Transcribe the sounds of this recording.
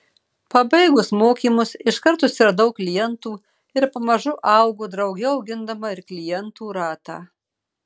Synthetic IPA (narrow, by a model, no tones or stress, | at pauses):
pɐbɐɪɡʊsmoːkʲiːmʊsɪʃkɐɾt̪ʊsɪɾɐd̪ɐʊkːlʲɪjɛnt̪uː | ɪɾpɐmɐʒʊʔɐʊɡoːd̪ɾɐʊɡʲɛɐʊɡʲɪnd̪ɐmɐɪɾklʲɪjɛnt̪uːɾɑːt̪ɑ̰ː